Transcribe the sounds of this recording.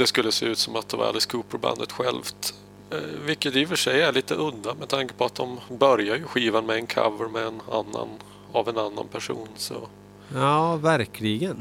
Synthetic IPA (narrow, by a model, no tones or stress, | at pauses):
d̪̥ɛskɵlːəsḛːʉ̟ːt̪sɔmat̪̚d̪ɛva̰ɾa̰ləskʰuːpəɾba̰nd̪ət̪ɧɛlvt̪ | vɪkːət̪ɪfœʂɛjæɭiːt̪əʔɵd̪ːamɛt̪ʰaŋkə̥pʰɔat̪̚d̪ɔmbœɾjajɵɧiːvanmɛːnkʰa̰vəɾmɛːna̰nːa̰n | avɛnanːa̰npʰæʂṵːnsɔ̰ | jɑːvæɾkʰlɪɡən